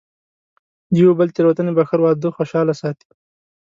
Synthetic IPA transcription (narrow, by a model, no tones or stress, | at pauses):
d̪jwobəlt̪eɾwat̪ənebaxəɾwɑːd̪oxoʃɑːlasɑːt̪i̥